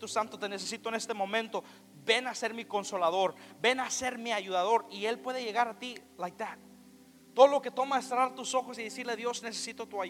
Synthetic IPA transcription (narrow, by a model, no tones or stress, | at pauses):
t̪usant̪o̞t̪e̞ne̞s̬esit̪one̞st̪e̞mõ̞mẽ̞nt̪o̞ | be̞nase̞ɾmiko̞nso̞laðo̞ɾbe̞nase̞ɾmiaʝuðaðo̞ɾie̞lpwe̞ðeʝe̞ɣaɾat̪ilajt̪a | t̪oðolo̞ket̪o̞maest̪ɾaɾt̪uso̞xosiðesiɾleðjo̞zne̞sesit̪o̞t̪ua